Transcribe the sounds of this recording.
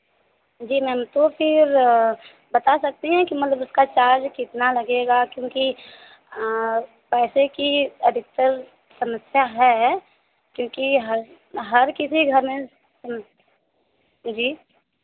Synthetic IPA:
d͡ʒiːmɛ̃mt̪opʰɪɾ | bɐt̪asɐk̚t̪eɦɛ̃kimɐt̪ləbʊskat͡ʃaːɾd͡ʒkɪt̪nalɐɡeɡakjõːki | pɛːsekiɐd̪ʱɪk̚t̪əɾ | sɐməsjaɦɛ | kjõːkiɦ | ɦɐɾkɪsiɡʱɐɾmẽ | səm | d͡ʒiː

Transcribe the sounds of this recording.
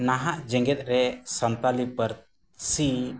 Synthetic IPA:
naɦaʔd͡ʒɛ̃ŋɡɛt̪̚ˀɾɛsənt̪alipəɾ | si

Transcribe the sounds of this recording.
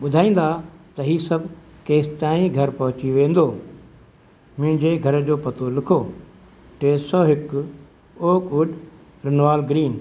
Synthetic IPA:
ɓʊd̪ʱaːĩːn̆d̪at̪ɐɦiːsɐbʱkeːst̪aːĩɡʱɐɾpɐɦʊt͡ɕiʋẽːn̆d̪oː | mʊ̃ɦɪ̃ɲd͡ʑeɡʱɐɾd͡ʑoːpɐt̪ʰolɪkʰo | ʈeːsɔːɦɪk | oːkʊɖ | ɾɪnʋaːlɡɾiːn

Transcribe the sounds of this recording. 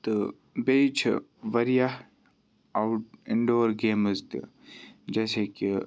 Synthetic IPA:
t̪ɨ | beːt͡ʃʰʋɐɾija | awʈɪɳɖoːəɾɡeːməzt̪ḭ | d͡ʒeːseːki

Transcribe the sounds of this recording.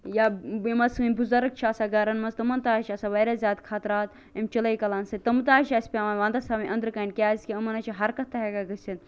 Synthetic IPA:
jaimɐsɨɨnʲbuzɐɾɨk̚t͡ʃʰaːsaɡɐɾɐnmɐzt̪ɐmɐnt̪aːʃaːsaʋɐɾazʲaːd̪kʰaːt̪ɾaːt̪ | ɐmʲt͡ʃɐlɐjkɐlaːnsɐt̪ɐmɨt̪aːʃaːsʲpʲamɐʋãːnd̪ɐsaːmiʔɐ̃nd̪ɾɨkɐnkʲaːsʲkʲiɐmɐnɐt͡ʃʰiɦɐɾkɐt̪ʰːɐɦeɡaɡɐsʲit̪

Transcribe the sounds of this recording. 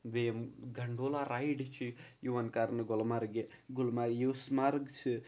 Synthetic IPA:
ʋejemɡɐɳɖoːlaɾajɖit͡ʃʰi | juʋɐnkaɾnɨɡɔlmaɾɡe | ɡulmajismaɾɡt͡ʃʰi

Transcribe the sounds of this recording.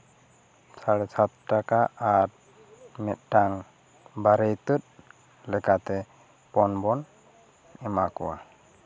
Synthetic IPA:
saɽɛsat̪̚ʈakaaɾ | mɛt̪̚ˀʈaŋ | baɾəjt̪ət̪̚ | lɛkat̪ɛ | pɔnbɔn | ɛmakɔ̰wa̰

